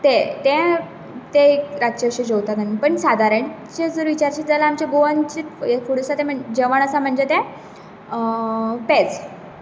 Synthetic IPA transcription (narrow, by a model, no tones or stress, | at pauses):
t̪ɛ̃t̪ɛ̃ | t̪ẽkɾaɕəɕed͡ʑowt̪at̪anipəɳsad̪ʱaɾəɳt͡ɕed͡zəɾʋit͡ɕaɾt͡ɕid͡zalaamt͡ɕeɡoant͡ɕiːt̪efuɽəsat̪ɛ̃m̤əd͡ʑəʋaɽ̃əsam̤əɳd͡zet̪ɛ̃ | pɛt͡s